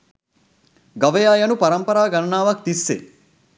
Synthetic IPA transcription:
ɡɐʋɐjaːjɐnupɐɾɐmpɐɾaːɡɐnɐnaːʋɐk̚t̪isːḛ

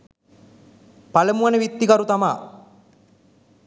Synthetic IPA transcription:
paləmuanəʋit̪ːikaɾut̪ama̰ː

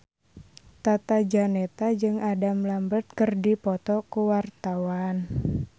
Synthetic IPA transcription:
t̪at̪ad͡ʒanet̪ad͡ʒɨŋadamlambət̪̚kərdipɔt̪ɔkuwart̪awan

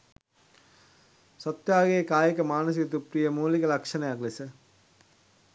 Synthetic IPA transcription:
sɔt̪jaːɡejːkaːjəkəmaːnəs̬iɡot̪upɾijəmuːlikəlakʂənəjaklesə

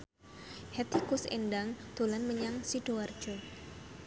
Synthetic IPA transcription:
hɛt̪ikʊsḛnɖaŋd̪̥o̤lanməɲaŋsiɖ̥owar̥d͡ʒ̥ɔ

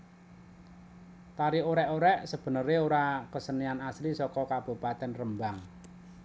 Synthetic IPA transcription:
t̪aɾioɾɛʔoɾɛʔsəb̥ə̤nəɾeoɾakəsənianaslisɔkɔkab̥o̤pat̪ɛnrəmbaŋ

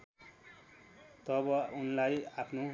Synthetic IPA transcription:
t̪ʌbʌunlajapʰno

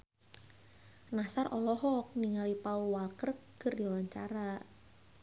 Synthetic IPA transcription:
nasarʔɔlɔɦɔk̚niŋalipauwalkərɡərdɔwaɲt͡ʃa̰ɾa

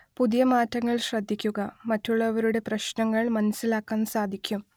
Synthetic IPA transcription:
puðijɐmaːtːɐŋːɐɭɕrɐd̪ʱːikʲːuɣɐmɐtːuɭːɐʋɐɾuɽe̞prɐɕnɐŋːɐɭmɐnɐsːilaːkːaːnsaːd̪ʱikʲːum

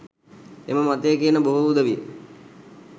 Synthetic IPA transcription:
ḛməmat̪əjəkiənəboɦuud̪əʋijə

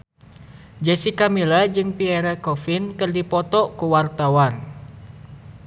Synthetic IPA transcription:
d͡ʒɛsikamilad͡ʒɨŋpiɛɾakɔfinkɨrdipɔt̪ɔkuwart̪awan

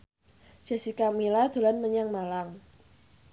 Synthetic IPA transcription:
d͡ʒ̥a̤sikamilad̪̥o̤lanməɲaŋmalaŋ

